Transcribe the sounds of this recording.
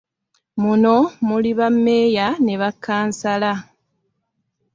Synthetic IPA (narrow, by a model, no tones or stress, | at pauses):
muno̞muliβamːe̞ːjaneβakːaːnsala